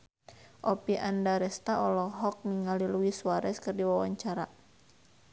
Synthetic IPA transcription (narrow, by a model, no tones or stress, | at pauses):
ʔɔpiʔandaɾɛst̪aʔɔlɔɦɔk̚niŋaliluisuaɾɛskɨrdiwawaɲt͡ʃaɾa